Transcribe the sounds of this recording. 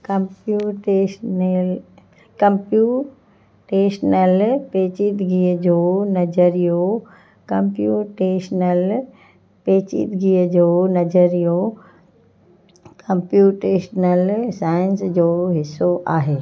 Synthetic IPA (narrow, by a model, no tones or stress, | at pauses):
kɐ̃mpjuːʈeʃnl | kɐ̃mpjuː | ʈeːʃnəlpeːt͡ɕit̪ɡiəd͡ʑoːnɐd͡ʑəɾijo | kɐ̃mpjuːʈeːʃnəl | peːt͡ɕḭt̪ɡiəd͡ʑoːnɐd͡ʑəɾijo | kɐ̃mpjuːʈeːʃnəlsaːɪnsd͡ʑoːɦɪsːoʔaːɦeː